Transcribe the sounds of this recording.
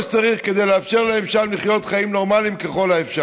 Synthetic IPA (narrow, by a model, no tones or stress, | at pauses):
ʃt͡saʁiχke̞d̪e̞jleafʃe̞ʁleefʃalmliχjo̞t̪χaimno̞ʁmalimkeχo̞laefʃa